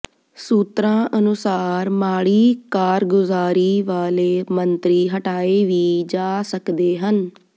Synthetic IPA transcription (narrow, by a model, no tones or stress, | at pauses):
suːt̪ɾãːʔənʊsaːɾmaːɽiːkaːɾɡʊzaːɾiːʋaːleːmənt̪ɾiːɦəʈaːeːʋiːd͡ʒaːsəkd̪eːɦən